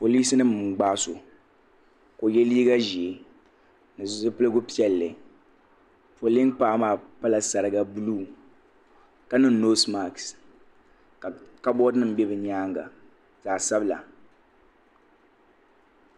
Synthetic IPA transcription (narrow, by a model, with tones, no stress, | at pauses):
po˨liː˦sɨ˦nɨ˦m˨ɡ͡baː˦so˨ | ko˨jɛ˦liː˦ɡa˦ʒi˨e˨ | nɨ˨zzɨ˦pɨ˦lɨ˦ɡʊ˦pi˦ɛ˦lːɨ˨ | po˨li˦npaː˦maː˦˨pa˦la˨sa˨ɾɨ˨ɡa˦bu˦luː˦˨ | ka˨nɨ˦n˦no˦sma˨ks | ka˦bɔ˦dnɨ˦m̩˦bɛ˦bɨ˨ɲaː˦ŋɡa̰˨ | zaː˨sa˦bla̰˨